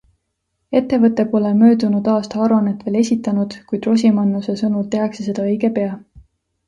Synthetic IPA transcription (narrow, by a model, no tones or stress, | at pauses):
e̞t̪ːe̞vɤt̪ːˑe̞po̞lemø̞ːd̪unud̪̥ɑːst̪ɑɑɾuɑnet̪ːve̞ːle̞sʲit̪ːˑɑnud̪̥kujd̪ro̞s̬ʲimɑnːuse̞sɤnult̪e̞ɦɑkse̞se̞d̪ɑɤjɡe̞pe̞ɑ